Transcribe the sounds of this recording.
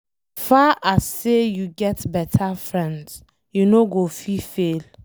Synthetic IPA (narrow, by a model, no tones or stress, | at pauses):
faʔasːejuɡɛtbɛtʰafɹɛ̃nds | junoɡofifel